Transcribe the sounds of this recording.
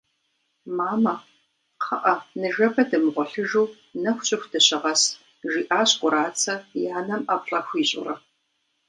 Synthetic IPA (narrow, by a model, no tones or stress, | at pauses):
maːmɐ | qʰɐʔɐnɨʒɐbɐdɐmʁʷʊɬɨʒuː | nɐxʷɕʼɪxʷdɐɕɪʁɐs | ʒiːʔaːɕkʷʼʊɾaːt͡sʰɐjaːnɐmapɬʼɐxʷiːɕʼʊ̰rɐ